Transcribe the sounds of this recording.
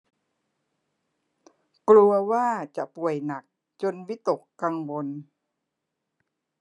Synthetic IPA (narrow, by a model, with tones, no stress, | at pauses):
klu˧ɐwaː˥˩t͡ɕa˨˩ʔpu˨˩əjna˨˩k̚ | t͡ɕo˧nwi˦˥t̪o˨˩kːa˧ŋwo˧n